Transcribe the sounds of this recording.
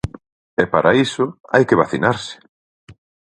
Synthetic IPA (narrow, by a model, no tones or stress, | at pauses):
ɛpaɾaisʊa̰jkɪβaθinaɾsɪ̥